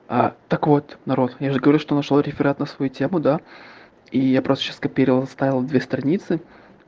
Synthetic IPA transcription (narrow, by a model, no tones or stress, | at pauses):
at̪əkvo̞t̪nɐɾo̞t̪jaʐɨɡəvɐɾuʂt̪onɐʂlˠaɾʲɪfʲɪɾat̪nəsvɐjutʲemʊd̪a | ijapɾost̪ə̥ɕaskɐpʲiɾɪvəlˠst̪avʲɪlˠd̪vʲest̪ɾɐnʲit̪sɨ